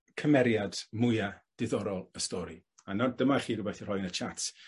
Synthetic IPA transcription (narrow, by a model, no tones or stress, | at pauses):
kʰəmɛɾjadmʊjad̥ɪðɔɾɔlˠəstɔɾḭ | anɔdəmaχiːrʊbɛθir̥ɔjnət͡ʃʰat